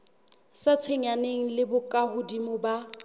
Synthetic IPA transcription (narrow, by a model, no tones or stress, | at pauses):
sat͡sʰweŋaneŋ̩lɪbʊkʼahʊdimʊba